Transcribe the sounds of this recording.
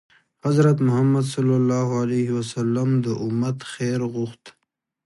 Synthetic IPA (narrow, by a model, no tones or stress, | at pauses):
hazɾat̪mʊhamːad̪sʌlːalːɑːɦalehiwasalːamd̪əʔʊmːat̪xeɾɣʊxt̪